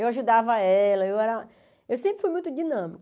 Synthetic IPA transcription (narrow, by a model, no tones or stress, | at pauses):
ewaʒud̪avɐɐɛlɐewɛɾɐ | ewsẽmpɾɪfujmũj̃t̪ʊd͡ʒinɐ̃mikʊ